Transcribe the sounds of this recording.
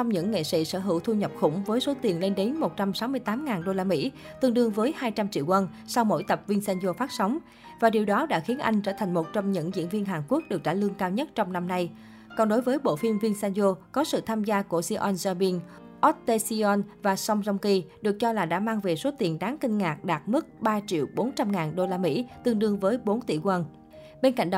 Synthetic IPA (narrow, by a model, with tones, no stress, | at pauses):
t͡ɕɔ˧wŋ͡mɲɨ̰˧˥ŋŋːḛ˧˨sḭ˧˥səː˧˩ɦɨ̰˧˩wt̪ʰu˧ɲə˨˩p̚xʊ̰˧˩wŋ͡mvəː˨˦jso˨˦t̪i˨˩ənle˧nɗe˨˦nmo˨˩t̚t͡ɕa˧msa˨˦wmɨ˧əjt̪aː˨˦mŋaː˨˩nɗo˧laː˧mḭ˧˥ | t̪ɨ˨˩əŋɗɨ˧˩əŋvəː˨˦jhaː˧jt͡ɕa˧mt͡ɕḭ˧˨wkə˧n | sa˧wmo̰˧˥jt̪ə˨˩p̚vi˧nsɛ˧nzo˧faː˦˥t̚sɔ˨˦wŋ͡m | vaː˨˩ɗi˨˩əwɗɔ˨˦ɗa̰ː˧˥xi˨˦ənʔa̰˧jŋ̟t͡ɕəː˧˩t̪ʰa˨˩jŋ̟mo˨˩t̚t͡ɕɔ˧wŋ͡mɲɨ̰˧˥ŋzḭ˧˥ənvi˧ənɦaː˨˩nku˦˥ək̚ɗɨ˨˩k̚ɗa̰ː˧˩lɨ˧əŋkaː˧wɲə˦˥t̚t͡ɕɔ˧wŋ͡mna˧mna˧j | kɔ˨˩nɗo˨˦jvəː˨˦jɓo̰˧˨fi˧mvi˧nsɛ˧nzo˧kɔ˨˦sɨ̰˧˨t̪ʰaː˧mzaː˧ku˧˩əsi˧ʔɔ˧nzaː˧ɓi˧n | ʔɔ˦˥t̚t̪e˧si˧ɔ˧nvaː˨˩sɔ˧wŋ͡mzɔ˧wŋ͡mki˧ɗɨ˨˩ək̚t͡ɕɔ˧laː˨˩ɗa̰ː˧˥maː˧ŋve˨˩so˨˦t̪i˨˩ənɗaː˨˦ŋkï˧ŋ̟ŋaː˨˩k̚ɗaː˨˩t̚mɨ˦˥t̚ɓaː˧t͡ɕḭ˧˨əwɓo˨˦nt͡ɕa˧mŋaː˨˩nɗo˧laː˧mḭ˧˥t̪ɨ˧əŋɗɨ˧əŋvəː˨˦jɓo˨˦nt̪ḭ˧˩kwə˨˩n | ɓe˧nka̰˧˨ŋ̟ɗ